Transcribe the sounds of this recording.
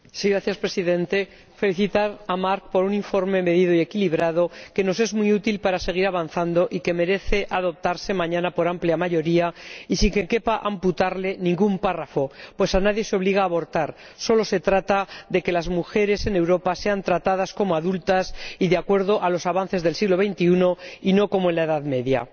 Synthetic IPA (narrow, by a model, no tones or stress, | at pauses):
siɣɾaθjaspɾe̞siðẽ̞nt̪e̞ | fe̞liθit̪aɾamaɾk̚po̞ɾunĩɱfo̞ɾme̞me̞ðiðoie̞kiliβ̞ɾað̞o̞ke̞no̞s̬e̞zmiut̪ilpaɾase̞ɣ̞iɾaβan̟θand̪o̞ʔike̞me̞ɾe̞θe̞ʔaðo̞p̚t̪aɾse̞mãɲãnapo̞ɾampljamaʝo̞ɾiaisiŋke̞ke̞paʔamput̪aɾle̞nĩŋɡumparafo̞pwe̞sanaðje̞seo̞βliɣ̞aːβo̞ɾt̪aɾ | so̞lo̞se̞t̪ɾat̪aðe̞ke̞lazmuxe̞ɾe̞se̞ne̞wɾo̞pase̞ant̪ɾat̪að̞asko̞moaðult̪asiðeakwe̞ɾð̞o̞ʔalo̞saβan̟θe̞zðe̞lsiɣlo̞βe̞jnt̪iuno̞ino̞ko̞moe̞nlae̞ðaðme̞ðja̰